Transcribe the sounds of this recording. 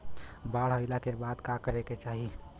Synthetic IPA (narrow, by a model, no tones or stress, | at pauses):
baɽ̤ɦəɪlakebad̪kakəɾeket͡ʃaɦi